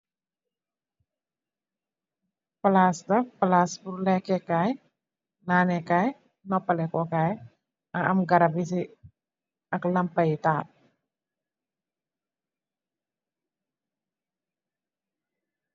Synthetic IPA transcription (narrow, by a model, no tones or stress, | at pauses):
palasd̪apalasbuɾlɛkɛkaj | nanɛkaj | nɔpalɛkɔkaj | aʔamɡaɾabisi | aklampait̪a